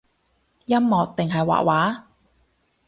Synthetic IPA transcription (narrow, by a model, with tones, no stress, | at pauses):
jɐ˥mːɔː˨˧k̚t̪ɪ˨ŋɦɐ˨jwa̰ː˨˩waː˨˥